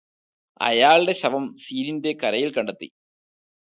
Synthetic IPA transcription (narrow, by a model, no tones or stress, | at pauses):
ɐ̰jaːɭɽe̞ɕɐʋɐmsiːɾinde̞kɐɾɐjilkɐɳɖɐt̪ːḭ